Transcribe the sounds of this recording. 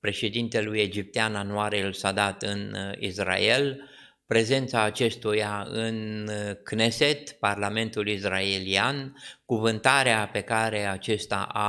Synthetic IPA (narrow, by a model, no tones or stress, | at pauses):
pɾe̞ʃe̞d̪int̪e̞luje̞d͡ʒip̚t̪eananuaɾelsad̪at̪ɨnḭsra̰e̞l | pɾe̞ze̞nt̪saːt͡ʃe̞st̪ujaɨnknese̞t̪parlame̞nt̪ulisraeliankuvɨnt̪aɾeape̞kaɾe̞at͡ʃe̞st̪a̰ʔa